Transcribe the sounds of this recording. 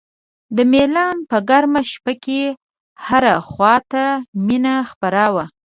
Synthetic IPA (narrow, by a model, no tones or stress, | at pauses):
d̪əmelɑnpəɡaɾmaʃpake | haɾaxwɑt̪aminaxpaɾɑwa